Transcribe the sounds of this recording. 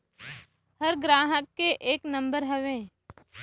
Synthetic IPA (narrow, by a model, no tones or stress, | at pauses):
həɾɡɾaːɦəkːeʔeːknə̃mbəɾɦɛʋẽː